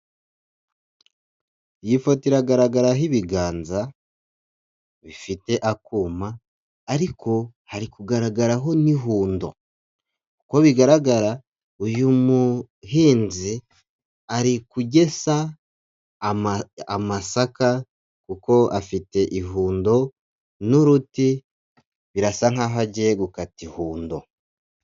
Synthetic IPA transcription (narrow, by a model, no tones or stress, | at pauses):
jifotiɾaɡaɾaɡaɾaɦiβiɡaːnza | βifite̞ʔakuːmaː | ɾiko̞ | haɾikuɡaɾaɡaɾaɦo̞niɦuːndo̞̰ | kukoβiɡaɾaɡaɾa | ujumu | hiːnzi | aɾikuɟe̞sa | amasaka | kuko̞ʔafite̞ʔiɦuːndo̞ | nuɾuti | βiɾasaŋ̥haːɦaɟeɡukatihuːndo̞̰